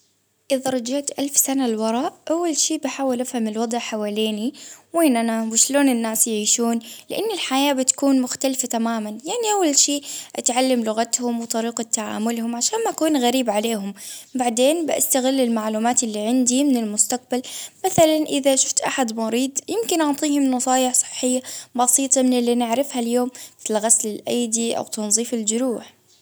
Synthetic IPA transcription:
ʔɪðaɾˤɑd͡ʒaʕt̪ʔalfsanalwɑɾˤɑːʔʔawːalʃiːbɪħaːwɪlʔafhamɪlwɑd̪ˤʕħawaːleːniweːnʔanawɪʃloːnɪnːaːsjʕiːʃuːnlɪʔanːɪlħajaːbɪt̪ḁkuːnmʊxt̪alfat̪amaːmanjaʕniʔawːalʃiːʔʔa̰t̪ʕalːamlʊɣat̪hʊmwt̪ˤɑɾiːqt̪ːaʕa̰ːmʊlhʊmʕaʃaːnmaʔakuːnɣaɾiːbʕaleːhʊmbaʕd̪eːnbɪʔa̰st̪aɣɪlːɪlmaʕluːmaːt̪ɪlːiːʕɪnd̪imɪnɪlmʊst̪aq̚balmaθalanʔɪðaʃʊ̥ft̪ʔaħad̪mɑɾiːd̪jɪmkɪnʔɑʕt̪ˤiːhʊmnɑsˤɑːjɪħsˤɨ̥ħːɪjːabɑsiːt̪ˤɑmɪnɪlːinɪʕɾɪfhaljoːmɪt̪ɪlɣaslɪlʔajd̪iʔa̰wt̪ɑnzˤiːfɪld͡ʒʊɾuːħ

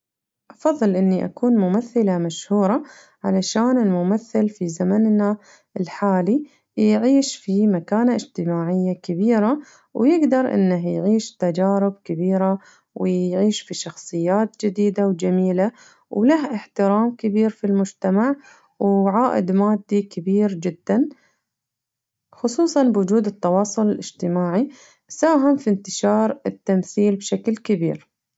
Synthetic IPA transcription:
ʔɑfɑðˤːɨlʔɪnːiʔa̰kuːnmʊmaθːɪlamaʃhuːɾˤɑ | ʕalaʃaːnɪlmʊmaθːɪlfizamanna | ʔɪlħaːli | jʕiːʃfimakaːnaʔɪd͡ʒt̪ɪmaːʕɪjːakɪbiːɾa | wjɪɡd̪ɑɾˤʔɪ̰nːaɦjʕiːʃt̪ad͡ʒaːɾɪb̚kɪbiːɾa | wɪʕiːʃfiʃɑxsˤɨjːaːt̪d͡ʒɪd̪iːd̪awd͡ʒamiːla | wlahʔɪħt̪ɪɾaːmkɪbiːɾfilmʊd͡ʒt̪amaʕ | wʕaːʔɪ̰d̪maːd̪ːikɪbiːɾd͡ʒɪd̪ːan | xʊsˤuːsˤɑnbwʊd͡ʒuːd̪ɪt̪ːɑwɑːsˤʊlɪlʔɪ̰d͡ʒt̪ɪmaːʕi | saːɦɪmfint̪ɪʃɑːɾˤɪt̪ːamθiːlbʃaklkɪbiːɾ

